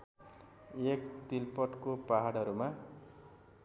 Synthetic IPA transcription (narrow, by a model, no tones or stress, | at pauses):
ekt̪ilpʌʈkopaɦaɽʌɾuma